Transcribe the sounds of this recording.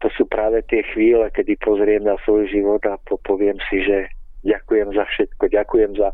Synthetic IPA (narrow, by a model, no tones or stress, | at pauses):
t̪ɔsuːpɾaːʋɛt̪ɪɛxʋiːlɛkɛd̪ipɔzɾɪɛmnasʋɔjʒiʋɔd̪apɔpɔʋɪɛmsiʒɛɟakujɛmzafʃɛt̪̚kɔɟakujɛmza